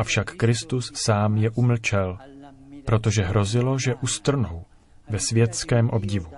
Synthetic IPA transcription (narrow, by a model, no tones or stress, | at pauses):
ʔafʃakːɾɪst̪usːaːmjɛʔuml̩t͡ʃɛl | pɾo̞t̪o̞ʒɛɦɾo̞zɪlo̞ʒɛʔust̪r̩now | vɛsvjɛt̪skɛːmʔo̞bɟɪvu